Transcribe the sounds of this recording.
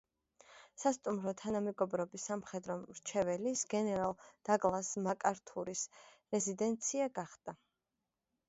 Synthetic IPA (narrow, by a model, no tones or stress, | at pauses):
sast̪ʼumɾɔt̪ʰanamɛɡɔbɾɔbisamχɛd̪ɾɔɾt͡ʃʰɛvɛlisɡ̥ɛnɛɾalˠd̪̥aɡʼlˠasmakʼaɾt̪ʰuɾis | ɾɛzid̪ɛnt̪sʰiaɡaχd̪̥a